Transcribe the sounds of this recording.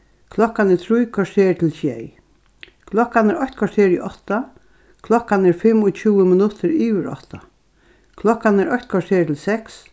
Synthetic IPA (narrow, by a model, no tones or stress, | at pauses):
kʰlɔkːanɛt̪ʰɾujkʰɔseːt̪ʰɪlsjɛj | kʰlɔkːanæɹɔçt̪kʰɔseːɾɔ̰ʔɔht̪ːa | kʰlɔkːanɛɹfɪmːɔt͡ɕʰuːəmɪnʊt̪ʰɪɾiːʋəɾɔ̰ht̪a | kʰlɔkːanæɾʔɔçt̪kʰɔseːt̪ʰɪlsɛks